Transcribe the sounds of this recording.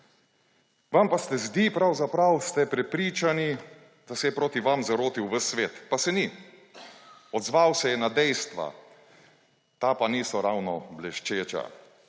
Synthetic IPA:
ʋampast̪ɛzd̪ipɾawzapɾawst̪ɛpɾɛpɾiːt͡ʃani | d̪̥asɛjɛpɾoːt̪iʋamzaɾoːt̪iwʋəsʋeːt̪pasɛni | ɔd̪zʋawsɛjɛnad̪ɛjst̪ʋa̰ | t̪aːpaniːsɔɾawnɔblɛʃt͡ʃeːt͡ʃa̰

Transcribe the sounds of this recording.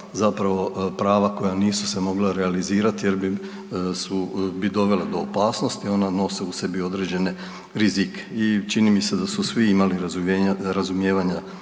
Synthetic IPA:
zapɾaʋo̞pɾaːʋako̞janiːsu̥se̞mo̞ɡlaɾealiziːɾat̪ije̞ɾbi | subid̪o̞ʋe̞led̪o̞ːpaːsnost̪io̞nano̞seuse̞bio̞d̪ɾe̞d͡ʑe̞ne̞ | ɾizikʰe̥it͡ʃinimise̞d̪asusʋiimaliɾazuɾazumjeːʋaɲa

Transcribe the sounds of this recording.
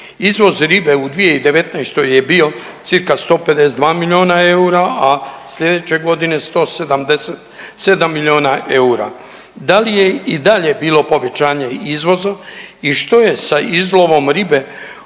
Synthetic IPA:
izʋo̞zɾibe̞ud̪ʋije̞id̪e̞ʋe̞t̪najst̪o̞je̞bio̞ | t̪sɨɾkast̪o̞ːpe̞d̪e̞sed̪ʋaːmilʲjo̞ːnae̞uɾaʔasʎe̞d̪et͡ɕe̞ɡo̞d̪ine̞st̪o̞ːsed̪amd̪eset̪ | se̞d̪amːilʲio̞ːnaʔeuɾa̰ | d̪alije̞id̪aʎe̞biːlˠo̞po̞ʋe̞t͡ɕaːɲe̞izʋo̞zaiʃt̪o̞je̞saizlˠo̞ʋo̞mɾibe̞

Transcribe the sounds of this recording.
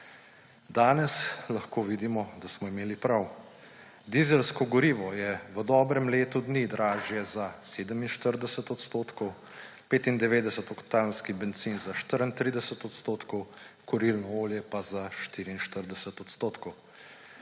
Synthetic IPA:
d̪aːnɛslaxkoːʋid̪imɔd̪asmɔimeːlipɾaw | d̪izɛlskɔɡɔɾiːʋɔjɛʋəd̪ɔːbɾɛmleːt̪ud̪nid̪ɾʔaːʒjɛzaseːd̪əminʃt̪əɾd̪ɛsɛt̪ɔt̪st̪oːt̪kɔw | peːt̪ind̪ɛʋeːd̪ɛsət̪ɔkt̪anskibɛnt̪siːnzaʃt̪əɾənt̪ɾiːd̪ɛsət̪ɔt̪st̪oːt̪kɔwkɔɾilnɔoːljɛpazaʃt̪iːɾiːnʃt̪əɾd̪ɛsɛt̪ɔt̪st̪oːt̪kɔw

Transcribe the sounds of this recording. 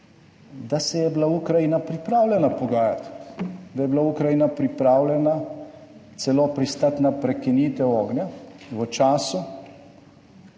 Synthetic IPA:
d̪asɛjɛblaukɾajinapɾipɾaːwlʲɛnapɔɡaːjat̪d̪ajɛblaukɾajinapɾipɾaːwlʲɛna | t̪sɛloːpɾist̪at̪napɾɛkiniːt̪ɛɔːɡnjaʋət͡ʃaːsu

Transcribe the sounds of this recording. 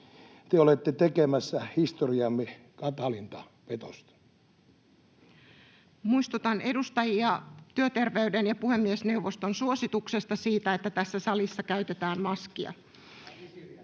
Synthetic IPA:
t̪eolet̪ːet̪ekemæsːæhist̪oriɑmːi | kɑt̪ɑlint̪ɑ | pet̪o̰st̪ | muist̪ut̪ɑne̞dust̪ɑjiɑt̪yøt̪erʋeyɥdenjɑpuhemːiesne̞wʋːost̪onsuosit̪uksest̪ɑsiːt̪æet̪ːæt̪æsːæsɑlisːɑkæyɥt̪et̪æːmmɑskiɑ̰

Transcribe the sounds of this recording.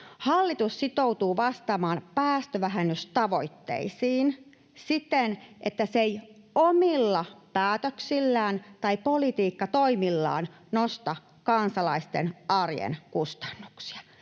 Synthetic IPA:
hɑlːit̪ussit̪out̪uːʋɑst̪ɑmɑːmpæːst̪øʋæɦenːyst̪ɑʋoit̪ːḛisiːn | sit̪enʔet̪ːæsej | omilːɑpæːt̪øksilːæːnt̪ɑipolit̪iːkːɑt̪oimilːɑ̰ːn | nost̪ɑ | kɑnsɑlɑist̪ḛnɑrjḛnkust̪ɑ̥nːuksi̥ɑ̥

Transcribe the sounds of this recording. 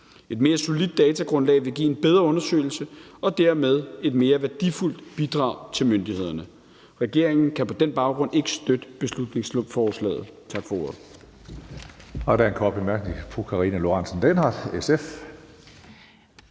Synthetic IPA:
e̝d̥me̝ːɐso̝lid̥ːɛːt͡sʰæɡ̥ʁɔ̽nlɛ̰ɪʋe̝ɡ̥ḭːenb̥eð̞ˠʁɐɔ̽nɐsø̰ɪl̩səɒ̽d̥æɐmeð̞ˠe̝d̥me̝ːɐʋæɐd̥iful̰d̥b̥id̥ʁɑ̰̈ʊt͡sʰe̝lmønd̥ihe̝ð̞̰ˠɐnə | ʁɛɡ̥e̝ɐ̰eŋn̩kʰæpʰɒ̽d̥enb̥ɑ̈ʊɡ̥ʁɔ̽ne̝ɡ̥əsd̥ød̥əb̥e̝slud̥ne̝ŋslɔbfɒːslɛ̰ːð̞̩ˠt͡sʰɑ̈ɡ̥fɒ̽o̝ɐðˠ | ɒd̥ænkʰɒb̥emæɐɡ̥nifʰʁokʰɑ̈ʁiːnælo̝ʁɑnsnd̥enɑd̥esef

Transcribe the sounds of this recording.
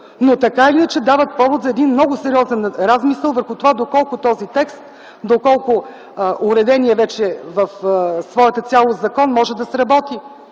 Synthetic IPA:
not̪ɐkaiinət͡ʃɛd̪avət̪̚pɔvʊt̪zɐɛd̪inmnɔɡʊsɛɾiɔzɛnɾazmisəlˠvəɾxʊt̪ovad̪okɔlˠkʊt̪ɔzit̪ɛkst̪ | d̪okɔlˠkʊ | ʔʊɾɛd̪ɛniɛvɛt͡ʃɛvəfsvɔɛt̪ət̪sʲjalˠozɐkɔnmɔʒɛd̪ɐsɾɐbɔt̪i

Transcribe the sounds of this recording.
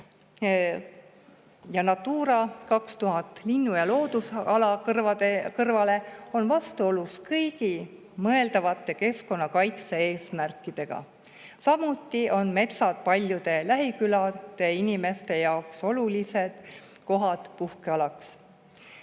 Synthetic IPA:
jɑnɑt̪ːuːɾɑkɑkst̪uɦɑt̪ˑlinːujɑlo̞ːd̪̥usɑlɑkɑekɤrvɑle̞o̞nvɑst̪uo̞luskɤjɡ̥i | mɤe̞ld̪̥ɑvɑt̪ːˑe̞ke̞sko̞nːɑkɑjt̪see̞ːsmærkːˑid̪̥e̞ɡ̥ɑ̰ | sɑmut̪ːˑio̞nme̞t̪sɑd̪pɑlʲjud̪̥e̞læɦikylɑd̪̥e̞inime̞st̪e̞jɑokso̞lulise̞d̪̥ | ko̞ɦɑt̪puhkeɑlɑks

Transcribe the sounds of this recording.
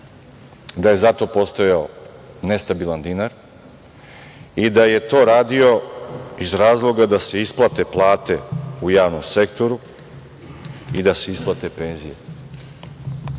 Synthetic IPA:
d̪aje̞zat̪o̞po̞st̪ojao | ne̞st̪abilˠand̪inaɾ | id̪aje̞t̪o̞ːɾaːd̪io̞izɾaːzlˠo̞ɡad̪ase̞isplˠat̪e̞plˠaːt̪e̞ujaːʋnomsekt̪o̞ɾu | id̪ase̞isplˠat̪e̞pe̞ːnzijḛ

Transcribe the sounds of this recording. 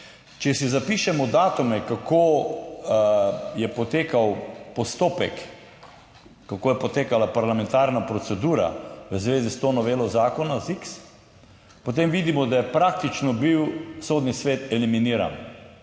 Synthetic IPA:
t͡ʃɛsizapiːʃɛmɔd̪aːt̪umɛkakʰo | jɛpɔt̪eːkawpɔst̪oːpɛ̰k | akoːjɛpɔt̪eːkalapaɾlamɛ̃nt̪aːɾnapɾɔt̪sɛd̪uːɾa̰ʋəzʋeːzist̪oːnɔʋeːlɔzaːkɔnaziks | pot̪̬emʋiːd̪imɔd̪ajɛpɾak̚t̪it͡ʃnɔbiwsoːd̪nisʋeːt̪ɛliminiːɾa̰n

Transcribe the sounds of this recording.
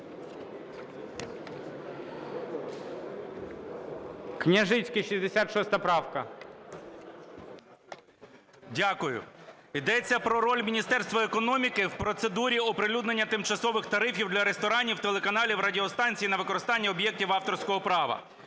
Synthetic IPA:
knʲɐʒɪt͡sʲkɪʃizʲd̪esʲat̪ʃɔst̪ɐpɾɑwkɐ | dʲakʊjʊ̰ | id̪ɛt͡sʲːɐpɾɔɾɔlʲmʲinʲist̪ɛrst̪ʋɐekɔnɔmʲikɪwpɾɔt̪sed̪uɾʲiɔpɾelʲud̪ne̞nʲːɐt̪ɪmt͡ʃɐsɔʋɪxt̪ɐɾɪfʲiwd̪lʲɐɾest̪ɔɾɑnʲiwt̪elˠekɐnɑlʲiwɾɐdʲiɔst̪ɑnʲt͡sʲijinɐʋɪkɔɾɪst̪ɑnʲːɐɔbjɛk̚tʲiwɑft̪ɔrsʲkɔɦɔpɾɑʋɐ̰

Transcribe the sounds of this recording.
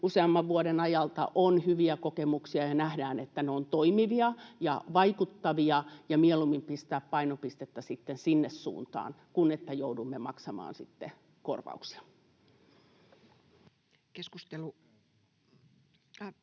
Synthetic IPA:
useɑmːɑʋʋuoɾenɑjɑlt̪ɑ̰ʔonhyʋiækokemuksiɑjɑnæhdæːnet̪ːæneont̪oimiʋiɑjɑʋɑikut̪ːɑʋiɑjɑmiɛlumːimpist̪æːppɑinopist̪et̪ːæsit̪ːensinːessṵːnt̪ɑ̰ːnkunet̪ːæjoudumːemɑksɑmɑ̰ːnsit̪ːe | ko̰rʋɑ̰uksi̥ɑ̥ | keskust̪elu

